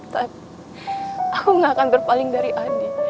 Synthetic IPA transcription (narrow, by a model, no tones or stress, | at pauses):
t̪ap̪ | ʔakuŋakanbərpalɪŋdaɾiʔani